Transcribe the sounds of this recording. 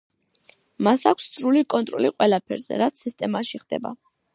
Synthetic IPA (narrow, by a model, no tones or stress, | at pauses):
masakʷʰst̪sʰʼɾulikʼɔnt̪ʼɾɔliqʼwɛlˠapʰɛɾzɛ̰ɾat̪sʰist̪ʼɛmaʃiχd̪ɛ̰ba̰